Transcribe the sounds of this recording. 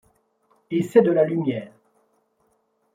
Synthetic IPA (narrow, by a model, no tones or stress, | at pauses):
esɛd̪əlalymjɛːʁ